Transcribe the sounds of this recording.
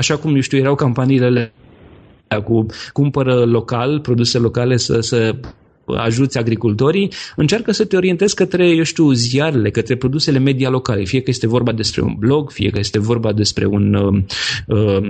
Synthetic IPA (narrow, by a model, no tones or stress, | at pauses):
aʃakumjeʃt̪iujeɾawkampaniilele | akukumpəɾəlo̞kalpɾo̞d̪uselo̞kale̞sə̰sə̰ | a̰ʒut̪sʲaɡɾikult̪o̞ɾiɨnt͡ʃarkəsət̪e̞o̞ɾient̪e̞zkət̪ɾe̞jewʃt̪iuziaɾele̞kət̪ɾe̞pɾo̞d̪use̞le̞me̞d̪ialo̞kale̞fije̞kəje̞st̪e̞vo̞rbad̪e̞spɾe̞̰ṵnblo̞ɡfije̞̰kəje̞st̪e̞vo̞rbad̪e̞spɾe̞̰unəə